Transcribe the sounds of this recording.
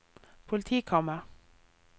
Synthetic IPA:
pʰʊlt̪ʰiːkʰɑmə

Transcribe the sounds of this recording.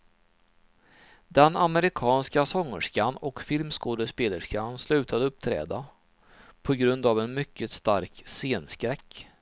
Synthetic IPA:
d̪ɛnaməɾɪkʰɑːnskasɔŋːə̰ʂkanɔkfɪlmskoːd̪əspeːləʂkanslʉ̟ːt̪ʰad̪əɵp̚ːt̪ʰɾɛ̰ːd̪a | pʰɔɡɾɵnd̪avɛnmʏkːət̪st̪aɾkseːnskɾɛkː

